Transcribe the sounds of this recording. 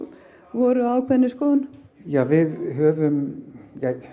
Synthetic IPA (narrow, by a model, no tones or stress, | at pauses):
vɔːɾʏaːwkʰvɛnːɪskɔːðan | jaːvɪðɦœːvʏmjɛ